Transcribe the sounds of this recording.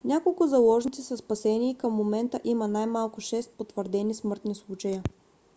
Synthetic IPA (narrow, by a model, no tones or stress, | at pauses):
nʲakolˠkʊzɐlˠɔʒnit̪sisɐspɐsɛniːkəmːomɛnt̪əʔimənajmalˠkʊʃɛst̪̚pot̪vəɾd̪ɛnismɤɾt̪nislˠut͡ʃəjə